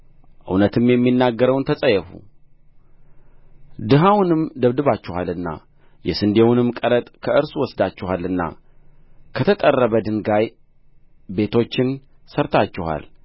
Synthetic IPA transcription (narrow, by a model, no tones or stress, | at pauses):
ʔɨ̰wnət̪ʰɨmjɛmːinːaɡːəɾəwnt̪ʰəsʼəjɛfṵ | d̪ɨɦawnɨmd̪əβd̪ɨβat͡ʃːɪhalɨnːa̰ | jɛsɨnd̪ewunɨmkʼəɾət̪ʼkʰəʔɨɾsuwɔsd̪at͡ʃːɛhalːɨnːa̰ | kʰət̪ʰət̪ʼərːəβəd̪ɨŋɡaj | be̞t̪ʰo̞t͡ʃːɪn | səɾt̪ʰat͡ʃːɪha̰l